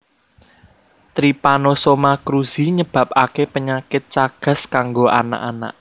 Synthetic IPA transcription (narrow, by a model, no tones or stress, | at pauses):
t̪ɾipanosomakɾuz̥iɲəb̥ä̤p̚akepəɲakɪt̪̚t͡ʃaɡ̥a̤skaŋɡoʔa̰na̰ʔana̰ʔ